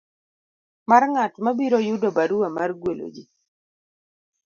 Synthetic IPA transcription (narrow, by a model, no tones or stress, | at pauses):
marŋatmabiɾojʊdobaɾuamarɡwelo̰d͡ʒi